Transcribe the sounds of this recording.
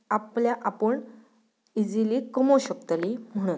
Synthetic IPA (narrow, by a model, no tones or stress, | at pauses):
apljaʔapəɳ | id͡ziliːkəmoɕəkt̪alim̤əɽ̃un